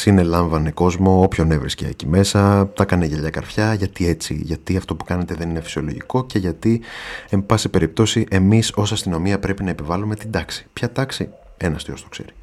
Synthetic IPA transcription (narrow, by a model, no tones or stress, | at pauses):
sine̞lɐɱvɐneko̞zmo̞opço̞ne̞vɾisceḛcime̞sɐt̪ɐkɐneʝeʎɐkɐ̰ɾfçɐʝɐt̪ie̞t͡sḭʝɐt̪iɐft̪o̞pu̥kɐne̞t̪e̞ðe̞ninefi̥sio̞lo̞ʝḭko̞ce̞ʝɐt̪ie̞mbɐsipe̞ɾip̚t̪o̞siʔe̞miso̞sɐst̪ino̞miɐpɾe̞pinɐepivɐlume̞t̪id̪ɐksi̥pçɐt̪ɐksi | e̞nɐst̪io̞st̪o̞̥kse̞̰ɾi